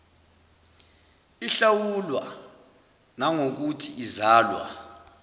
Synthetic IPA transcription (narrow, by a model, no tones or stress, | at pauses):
iɬawulwa | naŋok̬utʰiizaːlwa̰